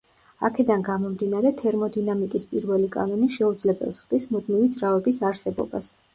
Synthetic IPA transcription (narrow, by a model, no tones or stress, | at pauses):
a̰kʰɛd̪anɡamɔmd̪inaɾɛt̪ʰɛɾmɔd̪inamikʼispʼiɾvɛlikʼa̰nɔniʃɛud̪zlɛbɛ̰lˠsχd̪ismud̪mivid̪zʼɾavɛbisaɾsɛbɔ̰bas